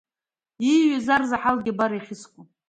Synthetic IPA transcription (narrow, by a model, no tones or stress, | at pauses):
iɥazarzaħalɡʲɪbaɾaiχʲɪskʷʼo